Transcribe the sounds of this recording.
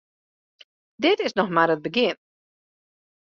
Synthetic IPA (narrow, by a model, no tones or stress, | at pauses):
dɪtɪsnɔxmaɾət̚bəɡɪn